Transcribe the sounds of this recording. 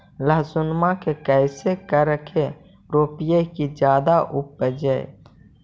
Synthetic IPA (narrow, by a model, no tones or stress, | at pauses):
ləɦsʊnmakekɛɪsekəɾəkʰe | ɾoːpijekid͡ʒjaːd̪aʔupːəd͡ʒəe